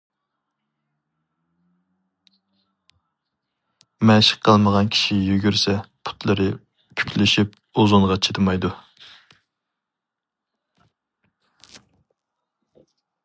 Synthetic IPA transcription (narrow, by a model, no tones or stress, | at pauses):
mɛʃə̥qʰːəlˠməʁɑnkʲʰi̥ʃijyɡʲyɾsɛpʰu̥t̪lˠɨɾɨ | pʰy̥kʲlɪʃip̚ | ozuɴʁɑt͡ʃʰet̪ʰɨmɑjd̪u